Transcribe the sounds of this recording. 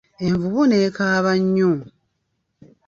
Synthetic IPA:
eɱvuβunekaːβaɲːu

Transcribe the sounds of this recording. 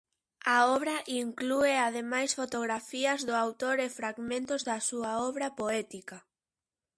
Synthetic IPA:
aɔβɾɐʔiŋklueað̞emajsfot̪oɣɾafiɐzðʊawt̪oɾefɾaɣmẽnt̪ʊzðɐsuɐɔβɾɐpoɛt̪ika

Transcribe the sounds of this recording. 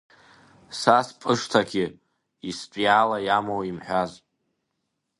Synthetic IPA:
saspʼɨʂtʰaɡʲi | ispʷʼjaːlajamowimħʷᶣazʼ

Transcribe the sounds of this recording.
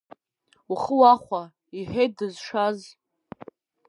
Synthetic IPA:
uχəwaχʷa | iħᶣej̚dɨzʂaz

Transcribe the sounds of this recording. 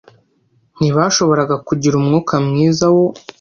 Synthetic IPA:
niβaʃo̞βo̞ɾaɡakuɟiɾumŋuːkamŋiːzawo̞

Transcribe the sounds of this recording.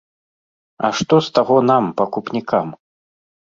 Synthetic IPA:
ɐ̰ʂt̪ɔst̪aɣɔn̪ampɐkupnʲikʰam

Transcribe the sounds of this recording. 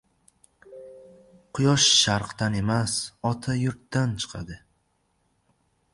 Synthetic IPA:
qʰʊjɒʃːaɾqd̪ane̞masɒt̪ʰajʊɾt̪ːant͡ʃʰɨ̥qʰa̰d̪ɪ

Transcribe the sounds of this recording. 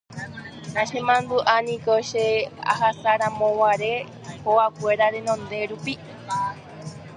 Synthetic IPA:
nãʃemãnd̪uʔanĩkoʃea̰ɦasaɾamõwaɾe | hoakʷeɾaɾenõnd̪e̞ɾupi

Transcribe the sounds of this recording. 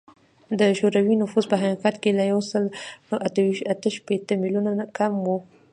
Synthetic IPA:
d̪əʃoɾawinʊfuzpəɦaqiqat̪kelajawsəlʔat̪əwiʃt̪at̪əʃpet̪əmilunanakʰamwu

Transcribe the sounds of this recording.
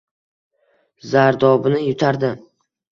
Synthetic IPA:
zaɾd̪ɒbɪnɪjʊt̪ʰaɾd̪ɪ

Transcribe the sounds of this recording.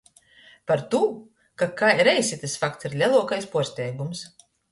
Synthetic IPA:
paɾt̪uː | kakajɾɛjsʲit̪ɨsfakt̪siɾlʲɛlˠuɔkajspuɔst̪ʲɛjɡums

